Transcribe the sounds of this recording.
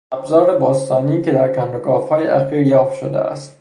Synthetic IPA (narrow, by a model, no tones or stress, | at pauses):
ʔæbzɒːɾebɒːst̪ɒːniːcʰe̞d̪æɾkænd̪oɡɒːfhɒːjḛʔæxiːɾjɒːfʃo̰d̪ḛʔæ̰st̪